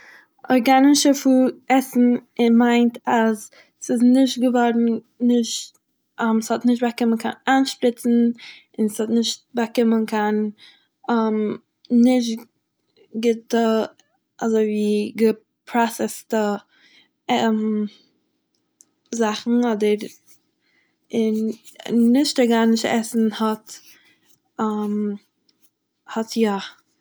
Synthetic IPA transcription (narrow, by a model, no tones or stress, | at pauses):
ɔɾɡanɪʃəfuːɛsn̩ɪnmaɪntʰaz | sɪznɪʃtɡəvɔɾn̩ | nɪʃt | amshɔtnɪʃtbakɪmənkʰa̰nanʃpɾɪt͡sn̩ | ɪnshɔtnɪʃt̚bakɪmənkʰan | amː | ɪʃt | ɡɪtə | ʔɔzoɪviːɡə | pʰɾasɛstə | ɛm | zaχn̩ɔdəɾ | ɪnː | ɪʃtɔɾɡaːnɪʃtɛ̰sn̩hɔt | am | hɔtja